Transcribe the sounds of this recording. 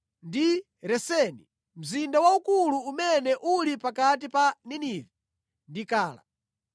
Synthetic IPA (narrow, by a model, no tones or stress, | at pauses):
ndi | ɾɛsɛni | m̩zindawaukuluːumɛnɛʔulipakat̬ipaniniːvɛ | ndikaːla̰